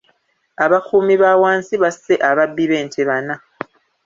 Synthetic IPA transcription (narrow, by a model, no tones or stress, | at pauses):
aβakuːmiβawaːnsiβase̞ʔaβabːiβe̞ːntʰeβana